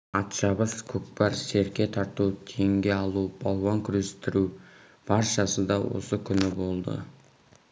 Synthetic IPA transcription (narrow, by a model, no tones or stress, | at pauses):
ɑt̪ʃɑbəskʲʰɵkpɑɾse̞ɾkʲe̞t̪ʰɑɾt̪uwt̪ʰe̞ŋɡʲe̞ɑlˠub̥ɑlˠwɑŋkʲʰʏɾest̪ɪɾu | b̥ɑɾʃɑsəd̪ɑwo̞̰səkʲʰʏnɪbo̞lˠd̪ə̰